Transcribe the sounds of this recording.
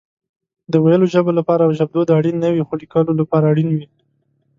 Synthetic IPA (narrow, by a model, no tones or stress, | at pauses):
d̪əwajəloʒəbolapɑɾawʒab̚d̪od̪əaɽinːəwixolikɑlolapɑɾaːɽinwi